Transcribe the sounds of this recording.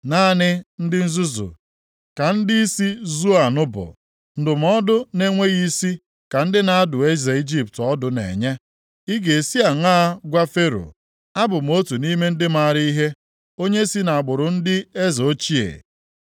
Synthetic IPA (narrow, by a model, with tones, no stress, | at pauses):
naː˦˨nɪ˦n̩˦dɪ˦n̩˦zu˦zṵ˨ | ka˨n̩˦di˦i˦si˦zu˦a˨nʊ˦bʊ̰˨ | n̩˦dʊ˨m̩˦ɔ˦dʊ˦ne˦ŋʷe˦ɣi˦si˦ | ka˨n̩˦dɪ˦na˨a˦dʊ˨e˦ze˨i˦d͡ʒi˦p̚tɔ˦dʊ˨nḛ˨ɲe˦ | i˦ɡe˨si˦a˨ŋaː˦ɡʷa˦fe˦ɾo̰˨ | a˦bʊ˨m̩˨˦o˦tu˨ni˦me˦n̩˦dɪ˦ma˨ɾi˦i˦ɦe˦ | o˦ɲe˦si˦na˨a˨ɡ͡bʊ˨ɾʊ˨n̩˦dɪ˦e˦zo˦t͡ʃi˦ḛ˨